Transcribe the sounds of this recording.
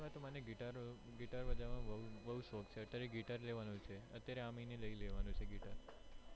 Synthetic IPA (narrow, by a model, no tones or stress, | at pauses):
ʋat̪omaneɡiʈaɾ | ɡiʈaɾʋəd͡ʒamãʋəʋəɦuʃokt͡ʃʰeət̪jaɾeɡiʈaɾleʋanũt͡ʃʰeə̰t̪jaɾeamineləileʋanũt͡ʃʰeɡiʈaɾ